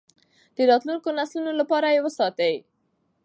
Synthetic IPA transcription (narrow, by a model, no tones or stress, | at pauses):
d̪̥əɾɑt̪lunkonaslunolapɑɾajewəsɑt̪ai